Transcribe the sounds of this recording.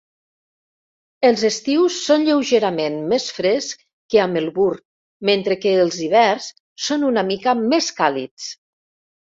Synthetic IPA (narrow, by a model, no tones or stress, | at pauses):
əlˠzəst̪iwsːonʎewʒeɾamenmesfɾes | kəaməlˠβur | ment̪ɾəkəːlˠziβ̞ɛrsː | onunamikameskalḭt͡s